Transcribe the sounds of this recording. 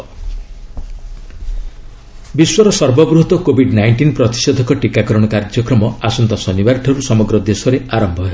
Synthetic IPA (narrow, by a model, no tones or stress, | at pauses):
biswɔɾɔsɔɾbɔbɾuɦt̪ɔkobʱiɖnajɳʈinpɾɔt̪i̥sɔd̪ʱɔkɔʈikakɔɾɔɽ̃ɔkaɾd͡ʒjɔkɾɔmɔasunt̪ɔsɔnibaɾʈʰɔɾusɔmɔɡɾɔd̪esɔɾeaɾɔmbʱɔɦe